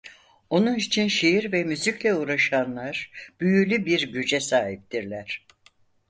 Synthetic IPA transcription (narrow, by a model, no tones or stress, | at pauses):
o̞nunit͡ʃʰinʃejiɾvɛmyziclʲɛuɾaʃanlˠaɾb̥yjylʲybiɾɟyd͡ʒɛsaːɦip̚t̪iɾlʲæɾ̥